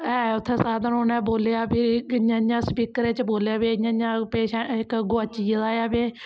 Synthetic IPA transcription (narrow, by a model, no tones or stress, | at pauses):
ɛːʊt̪ʰːẽːsaːd̪ənoːnɛ̃ːboːleaːbiɪãːãːspiːkəɾẽːt͡ʃboːlejaːbiːəãːãːpeːʃɛ̃ɪkɡoaːt͡ʃizaːjaːbeː